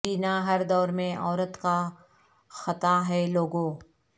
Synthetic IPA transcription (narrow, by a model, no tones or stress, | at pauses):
iːnaɦɐɾd̪ɔːɾmẽʔɔːɾət̪ka | xɐt̪aɦɛloːɡõː